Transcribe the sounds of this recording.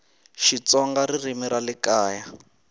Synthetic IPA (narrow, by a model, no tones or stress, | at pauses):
ʃit͡sɔŋɡaɾirimiɾalikaːja